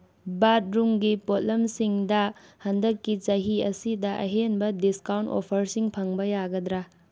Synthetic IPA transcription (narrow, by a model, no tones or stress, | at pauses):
bat̚ɾumɡipot̚lɐmsiŋdɐhɐndɐkːit͡ʃɐɦiɐsidɐʔɐ̰ɦenbɐdiskawnto̰pʰɐɾsiŋpʰɐŋbɐjaɡɐdɾa